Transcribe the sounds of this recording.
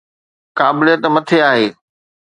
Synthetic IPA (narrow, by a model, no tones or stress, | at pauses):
kaːbɪlijət̪mɐt̪ʰeaːɦeː